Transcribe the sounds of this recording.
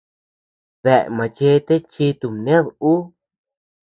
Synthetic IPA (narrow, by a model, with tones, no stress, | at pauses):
ðe˧˨ʔmã˨t͡ʃe˧˦t̪e˦t͡ʃi˧t̪u˧mnẽ˦ðu˦